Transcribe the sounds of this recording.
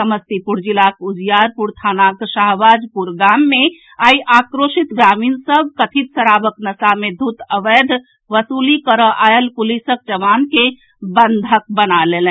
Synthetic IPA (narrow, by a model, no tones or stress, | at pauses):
səməst̪ipuɾd͡ʒilakud͡ʒjaɾpuɾt̪ʰanaksaɦʋad͡ʒpuɾɡamːe | aiʔakɾosit̪ɡɾaminsəbʱkət̪ʰit̪səɾabəknəsamed̪ʱut̪əʋəd̪ʱ | ʋəsulikəɾəʔaelpulisək̚d͡ʒəʋanke | bənd̪ʱək̚bənalelə